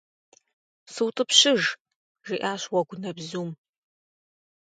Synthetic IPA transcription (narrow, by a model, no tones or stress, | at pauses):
sɨwtʼɨpɕɪʒ | ʒiʔaːɕwɐɡʷʊnɐbzuːm